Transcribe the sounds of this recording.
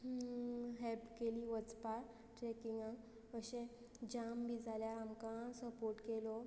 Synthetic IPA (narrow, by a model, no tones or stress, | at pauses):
ɦɛlpkeliʋəd͡zpaɾ | ʈɾɛkiŋɡã | əɕɛ̃ | d͡ʑambid͡zaljaɾamkãsəpoɾʈkelɔ